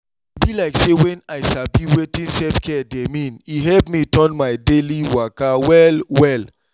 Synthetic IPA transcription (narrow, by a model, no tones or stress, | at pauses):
bilaɪksewɛ̃naɪʃabiwetĩnsɛfkʰɛdemĩniɦɛlpmitɔ̃nmaɪdeliwakawɛlwɛl